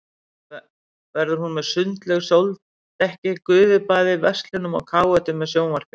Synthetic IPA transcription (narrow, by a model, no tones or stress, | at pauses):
vɛɾðʏɾ̥hunmɛðsʏnt̪lɛɣsjowlt̪ | t̪ɛhcɪkʏːvʏpaːðɪvɛst̪lɪnʏmɔ̰ɣkʰaːwɛt̪ʏmːɛðsjoːwmar̥kʏ